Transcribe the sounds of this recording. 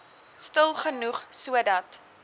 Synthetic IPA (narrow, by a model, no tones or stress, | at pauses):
stəlˠχənuχsuədɐt